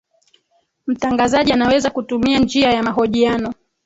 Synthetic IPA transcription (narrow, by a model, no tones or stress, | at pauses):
m̩taŋɡazaʄianawɛzakutumiand͡ʒiajamaɦɔʄianɔ